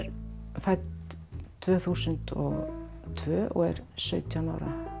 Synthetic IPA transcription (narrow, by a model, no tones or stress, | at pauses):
ɾfajt̪t̪ʰvœːθuːsʏnt̪ɔɣt̪ʰvœːʔɔ̰ɣɛ̰ɾ̥sœːɥt̪ʰiana̰wɾa̰